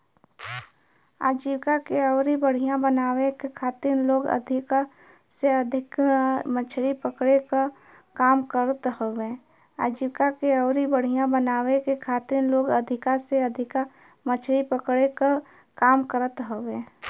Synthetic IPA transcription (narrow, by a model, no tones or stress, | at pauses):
a̰ːd͡ʒiwkakeɐːɾibəɽ̤ijãbənaːwekekʰaːt̪iɾnloːɡə̰d̪ʱɪka | seɐd̪ʱɪkmət͡ʃʰɽipəkɽeka | kaːmkəɾət̪hoʋẽː | aːd͡ʒiːwkakeɔːɾibəɽ̤ijãbənaːwekekʰaːt̪iɾnloːɡəd̪ʱɪkaseɐd̪ʱɪka | mət͡ʃʰɽipəkɽeka | kaːmkəɾət̪ɦoʋẽː